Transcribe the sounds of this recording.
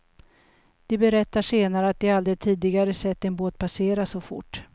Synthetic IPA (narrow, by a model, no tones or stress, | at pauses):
d̪̥ɪbɛɾɛt̪ːaʂeːnaɾəat̪̚d̪ɪaald̪ɾɪt̪ʰiːd̪ɪɡaɾəsɛt̪ːɛnboːt̪̚pʰaseːɾasɔfʊ̰ʈː